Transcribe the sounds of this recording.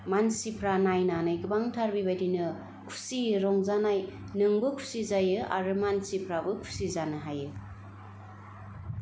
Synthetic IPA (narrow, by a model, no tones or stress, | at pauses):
mansipʰɾanajnanajɡɯbaŋtʰaɾbibajdinɯ | kʰu̥siɾɔŋzanaj | nɯŋbɯkʰu̥sizajɯʔa̰ɾɯmansipʰɾabɯkʰu̥sizanɯɦajɯ